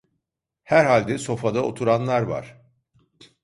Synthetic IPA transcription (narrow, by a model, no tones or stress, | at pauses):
hæɾɦalʲd̪ɛso̞fad̪ao̰t̪ʰuɾanlˠaɾva̰ɾ̥